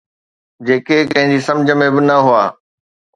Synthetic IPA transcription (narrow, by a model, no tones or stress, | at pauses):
d͡ʑeːkekɐ̃ɦɪ̃ɲd͡ʑisɐ̃md͡ʑʱə̆mẽbɪnɐɦuaː